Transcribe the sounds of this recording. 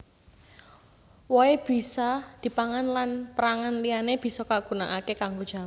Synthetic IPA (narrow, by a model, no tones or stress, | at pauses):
wɔeb̥i̤sɔd̪̥i̤paŋanlanpəɾaŋanlianeb̥i̤sɔkaɡ̥ṳnaʔakekaŋɡod̥ʒ̥a̤m